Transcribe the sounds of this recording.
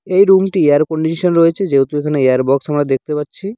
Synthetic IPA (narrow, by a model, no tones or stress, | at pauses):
ejɾumʈieaɾkoɳɖiʃonɾoet͡ɕʰed͡ʑeɦut̪oekʰaneeaɾbɔksamɾad̪ek̚t̪epatːɕʰi